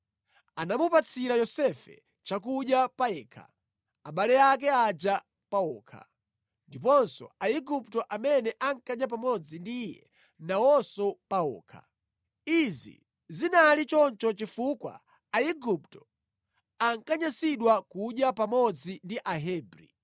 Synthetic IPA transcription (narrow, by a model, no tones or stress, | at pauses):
anamupat͡sʰiɾajɔsɛfɛ̰ | t͡ʃakuɗjapaɛːkʰa̰ | aɓalɛak̬ɛad͡ʒa | paɔːkʰa̰ | ndipɔnsɔ̰aiɡup̚tɔʔamɛnɛʔaŋkaʄjap̬amɔd͡zindijɛ̰ | nawɔsɔpaɔ̰ːkʰa̰ | izḭ | zinalit͡ʃɔnt͡ʃɔt͡ʃifukwa̰ | aiɡup̚tɔ̥ | aŋkaɲasiɗwakuɗjapamɔd͡zindiʔaɦɛːbɾḭ